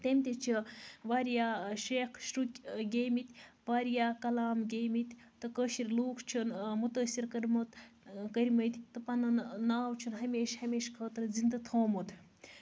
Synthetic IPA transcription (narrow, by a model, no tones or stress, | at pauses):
t̪emʲt̪ʲit͡ʃʰiʋaːɾjaːʃeːkʰʃɾukʲɡʲeːmit̪ʲʋaːɾjaːkɐlaːmɡʲeːmit̪ʲ | t̪ɨkəʃiɾʲluːkʰt͡ʃʰunmut̪əsiɾkɐɾmɐt̪kɐɾʲmɐt̪ʲt̪ɨpɐnɐnːaːwt͡ʃʰunɦɐmeːʃhɐmeːʃkʰəːt̪ɾzind̪ɐt̪ʰoːmut̪